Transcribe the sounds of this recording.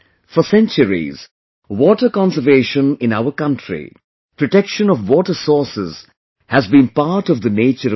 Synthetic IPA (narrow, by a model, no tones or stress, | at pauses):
fəsɛ̃nt͡ʃəɾḭz̥ | wɔʈəkɑ̃nsəveːʃə̃nɪ̃naʊəkʌ̃ntʰɹḭ | pɹɔʈɛkʃə̃nɔvwɔːʈəsɔːsɪz̥ | hæzbĩːnpaɾʈɔvd̪əneːt͡ʃəɾ